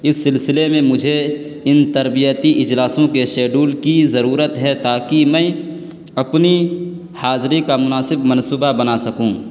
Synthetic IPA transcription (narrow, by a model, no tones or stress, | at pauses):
ɪsːɪlsɪlemẽmʊd͡ʒʱe | ɪnt̪ɐɾbijət̪iʔɪd͡ʒlaːsõkeʃɛːɖuːlkizɐɾuːɾət̪ɦɛt̪aːkimɛ̃ː | ɐpni | haːzɾikamʊnaːsɪbmɐnsuːbabɐnasɐkũː